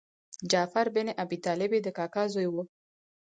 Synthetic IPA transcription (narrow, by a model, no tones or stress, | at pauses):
d͡ʒafaɾbɪneʔabit̪ɑlɪbed̪əkɑkazojwu